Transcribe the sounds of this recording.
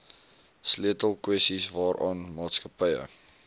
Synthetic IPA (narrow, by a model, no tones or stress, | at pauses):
sliətəlˠkwɛstisvɑːɾʔɑːnmɑːtskəpəjə̰